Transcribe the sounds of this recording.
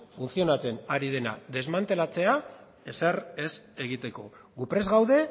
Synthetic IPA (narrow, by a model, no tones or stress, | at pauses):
funsio̞nat͡se̞naɾið̞e̞na̰ðe̞zmant̪e̞lat͡se̞a | e̞sere̞se̞ɣit̪e̞ko̞̰ | ɣupɾe̞zɣawðe̞